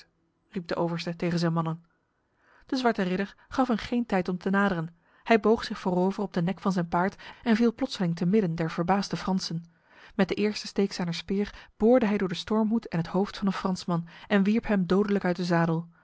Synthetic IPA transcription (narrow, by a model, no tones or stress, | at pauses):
rip̚dəʔowvəɹstətejχənzɛjnmɑnən | d̥əzʋɑɹtərɪɾəɹχɑfɦənχejntɛjtɔmtʰənaːdəʁən | hɛjbowχsɪχfoːʁowvərɔb̚dənɛkfɑnzɛjnpaːɹtɛnvilˠplɔtsəlɪŋtəmɪdəndɛɹv̥əɹbaːzdəfrɑnsən | mɛt̚dəʔɪːɹstə̥stejksaːnəspɪːɹb̥ʊːɹdəɦɛjdʊːɹdəstɔɹmɦutɛnɦəthowftfɑnənfrɑnsmɑnɛnʋiɹpɦɛmdowdələkœɥt̚dəzaːdəlˠ